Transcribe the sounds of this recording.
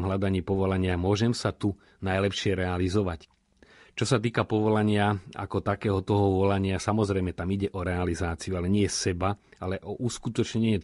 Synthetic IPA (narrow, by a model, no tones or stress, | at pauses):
mɦʎad̪aɲiːpɔʋɔlaɲɪamʊɔʒɛmsat̪u | najlɛpʃɪɛɾɛalizɔʋac | t͡ʃɔsat̪iːkapɔʋɔlaɲɪaa̰kɔt̪akɛːɦɔt̪ɔɦɔʋɔlaɲɪasamɔzɾɛjmɛt̪amiɟɛʔɔɾɛalizaːt͡siualɛɲɪɛsɛbaalɛʔɔʔuskut̪ɔt͡ʃɲɛɲɛ